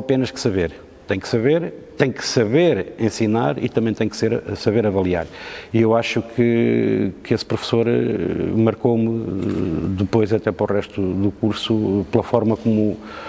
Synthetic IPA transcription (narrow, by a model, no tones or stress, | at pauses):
ɐpenɐʃkɨ̥sɐβeɾ | t̪ẽj̃ksɐβeɾt̪ẽj̃kɨ̥sɐβeɾẽsinaɾḭt̪ɐ̃mɐ̃j̃t̪ẽj̃kseɾ̰sɐβeɾɐvɐlˠia̰ɾiewaʃukʰɨ | kɨespɾufsoɾ | mɐɾkowmɨ̰ | d̪ɨpojzɐt̪ɛpɐɾɔʁɛʃt̪uðukuɾsuplˠɐfɔɾmɐkomu